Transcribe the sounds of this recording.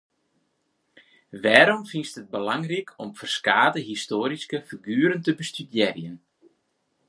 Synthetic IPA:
ʋɛːɾɔmfinstət̚bəlaŋrikʰɔmfərskaːdəɦistoːɾiskəfiɡyːɾəntəbəstydjɛrjən

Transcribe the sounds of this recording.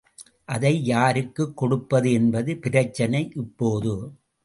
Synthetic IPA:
ʔɐðɐɪjaːɾɯkːɯkːɔɽɯpːɐðɯɛnbɐðɯpɪɾɐt͡ʃːɐnɐɪʔɪpːoːðɯ

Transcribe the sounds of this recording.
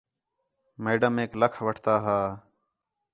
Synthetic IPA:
meːɖəmeːkləkʰʋəʈʰt̪aːɦaː

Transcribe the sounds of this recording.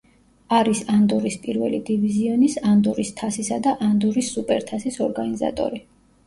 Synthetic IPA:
aɾisand̪ɔɾispʼiɾvɛ̰lid̪iviziɔnisand̪ɔɾist̪ʰasisad̪aʔand̪ɔɾisːupʼɛɾt̪ʰasisɔɾɡaniza̰t̪ʼɔ̰ɾi

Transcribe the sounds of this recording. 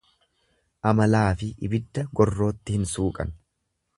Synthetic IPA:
ʔɐmɐlaːfɪʔɪ̰bɪd̪ːɐɡɔrːo̞ːt̪ːɪhɪnsuːkʼɐ̰n

